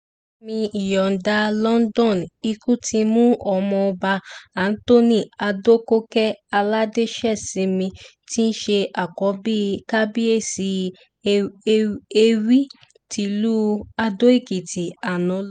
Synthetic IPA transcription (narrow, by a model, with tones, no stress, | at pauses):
mĩ˧i˨jɔ˨n̩˨da˧lɔ˦n˦dɔ̃˦˨ni˧ku˦tʰi˧mũ˦ɔ˧˨mɔ̃˧ɔ˧ba˧a˨n̩˦to˦˨nĩ˦˨a˧do˦ko˦kɛ˦a˧la˦de˦ʃɛ˦˨sĩ˨˦mĩ˧ti˦n̩˦ʃe˧ʔa˨kɔ˨˦bi˦ka˦bi˦e˦˨si˨˧˦ | e˧wi˦ | ti˧lu˦a˧do˦e˦˨ki˨ti˨a˨nɔ̃˨˦